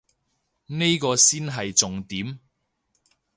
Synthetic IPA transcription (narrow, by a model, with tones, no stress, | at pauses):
ne˥jkɔː˧siː˥nɦɐ˨jt͡sʊ˨ŋt̪iː˨˥m